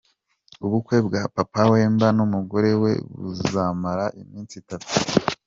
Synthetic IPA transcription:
uβukwe̞b̚ɡapapawe̞ːmbanumuɡo̞ɾe̞we̞̰βṵzamaɾaʔḭmiːnt͡sitatu̥

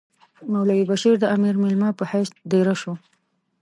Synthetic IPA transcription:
mawlawibaʃiɾd̪əamiɾmɪlmɑpəhajsd̪eɾaʃu

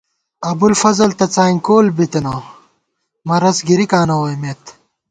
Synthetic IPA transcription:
ɐbulfɐzɐlt̪ɐt͡saːŋkoːlbit̪enoː | mɐɾɐsɡiɾikaːnɐwojmeːt̪

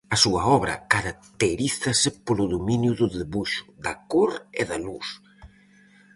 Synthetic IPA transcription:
ɐsuɐɔβɾɐ̰kaɾak̚t̪eɾiθɐsɪpolʊðominjʊðʊðeβuʃʊ̥ðɐkoɾḛðɐluθ

